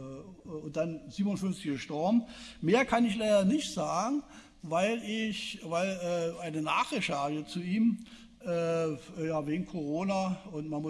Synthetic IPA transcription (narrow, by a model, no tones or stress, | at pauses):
ʊnt̚d̥anziːbmnʊnfʏnft͡sɪçɡəʃtɔɐbm̩meːɐkʰanɪçlaɪdɐnɪçtz̥aːɡŋ̩ | vaɪlɪçvaɪlɛːaɪnənaːχeçhaːjət͡suʔiːm | ʔɛːjaːveːɡŋ̩kʰoʁoːnaʊntmanmʊ